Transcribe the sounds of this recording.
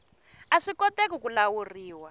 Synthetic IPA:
aʂikɔtekukulawuriːwa

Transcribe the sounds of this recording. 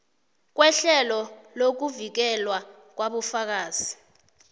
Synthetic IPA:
k̬wɛɬɛlɔlok̬uvik̬ɛlwa | k̬waɓufak̬aːz̥i

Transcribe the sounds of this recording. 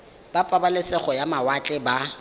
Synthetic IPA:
b̥apʼabalɪsɛχɔjamawat͡ɬʼɛba

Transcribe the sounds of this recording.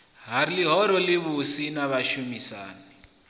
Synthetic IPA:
ɦaɾiliɦɔɾɔliβusinaβaʃumisaːni

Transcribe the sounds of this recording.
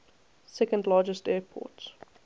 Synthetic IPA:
sɛkə̃ndlɑːd͡ʒəstɛːpʰɔ̰ːˑt

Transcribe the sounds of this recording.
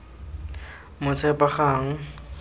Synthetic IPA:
mʊt͡sʰɛpaχaːŋ̩

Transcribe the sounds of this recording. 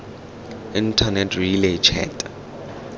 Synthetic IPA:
intʰanɛtʰrilet͡ʃʰɛ̰ːtʼa

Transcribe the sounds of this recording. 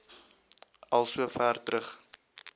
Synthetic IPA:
ɐlˠsuəfæːrtrəχ

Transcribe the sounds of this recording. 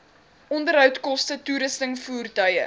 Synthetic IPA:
ʔɔndəɾɦœwtkɔstətuɾəstəŋfuːrtœjə̰

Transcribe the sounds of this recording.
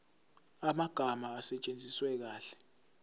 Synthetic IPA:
amaɡ̥ʱamaːsɛt͡ʃʼend͡zʱiswɛk̬aːɬɛ̥

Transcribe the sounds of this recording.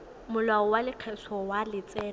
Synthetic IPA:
mʊlaɔwalɪq͡χʰɛsʰɔwalɪt͡sʼɛː

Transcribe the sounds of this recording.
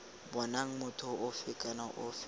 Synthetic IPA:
bɔnaŋ̩mʊtʰʊʔʊfɪkʼanaʔʊfɪ

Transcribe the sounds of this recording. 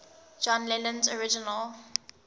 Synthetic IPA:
d͡ʒɔ̃nlɛlə̃nzɔɹɪd͡ʒɪnəl

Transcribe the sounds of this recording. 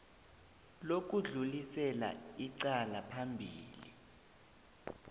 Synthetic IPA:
lok̬ʼuɮulisɛla̰iǀalapʰambʱiːli

